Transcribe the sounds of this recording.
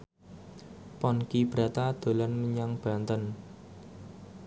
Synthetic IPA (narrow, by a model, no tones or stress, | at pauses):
pɔnkib̥ɾa̤t̪ad̪̥o̤lanməɲaŋb̥a̤nt̪ən